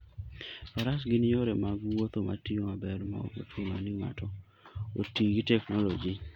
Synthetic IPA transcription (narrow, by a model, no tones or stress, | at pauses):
paɾas̬ɡɪnɪoɾɛmaɡwot̪oma̰tiomabɛɾma̰ko̰twomanɪŋa̰tɔ | otiɡitɛknɔlɔd͡ʒi